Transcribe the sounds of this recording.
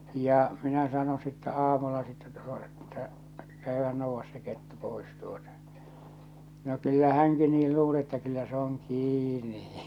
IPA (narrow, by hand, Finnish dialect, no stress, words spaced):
jɑ minæ sɑno sitːæ ɑːmulːɑ sitːæ tu̥o̥ etːæ kæyhæn nouʋːɑs se ketːu pois tuotɑ no kylːæ hæŋki niːl luːle tːæ kylːæ se oŋ kiːni